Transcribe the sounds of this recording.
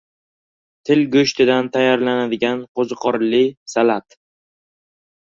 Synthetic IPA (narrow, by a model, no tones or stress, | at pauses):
t̪ʰɪlɡɵʃt̪ʰɪd̪ant̪ʰajːaɾlanad̪ɪɡʲanqʰozɨqʰɒɾlɪsalat̪